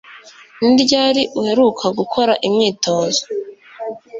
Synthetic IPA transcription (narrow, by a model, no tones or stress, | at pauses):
niɾɟaːɾiʔuhe̞ɾukʰaɡukʰo̞ɾaʔimɲiːto̞ːzo